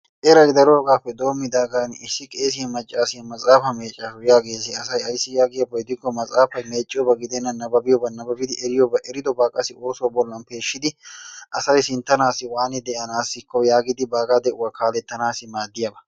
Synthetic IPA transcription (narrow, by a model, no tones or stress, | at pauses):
ʔɛɾɐjd̪ɐɾoːɡaːpːɛd̪o̞ːmːɪd̪aːɡanɪsːɪkʼe̞ːs̬ɪjɐmɐt͡ʃʼːaːsɪjɐmɐt͡sʼaːfɐme̞ːt͡ʃʼːafʊjaːɡe̞ːsɪɐsɐjɐjsɪjaːɡɪjɐbɐɪd̪ɪkːɔmɐt͡sʼaːfɐjme̞ːt͡ʃʼːɪjɔbɐɡɪd̪ɛnːɐnɐbɐbɪjɔbɐnɐbɐbɪd̪ɪɛɾɪjɔbɐʔɛɾɪd̪ɔbaːkʼɐsɪo̞ːsoːbɔlːɐnpe̞ːʃːɪd̪ɪʔɐsɐjsɪnt̪ːɐnaːsɪwaːnɪd̪ɛʔɐnaːsːɪkːɔjaːɡɪd̪ɪbaːɡad̪ɛʔʊwɐkaːlɛt̪ːɐnaːsɪmaːd̪ːɪjabɐ